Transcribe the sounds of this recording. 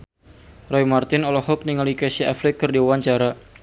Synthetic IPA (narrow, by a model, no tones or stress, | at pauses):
rɔimart̪ɪnɔlɔhɔk̚niŋalikɛsiafɾɪkːɨrdiwuwaɲt͡ʃaɾa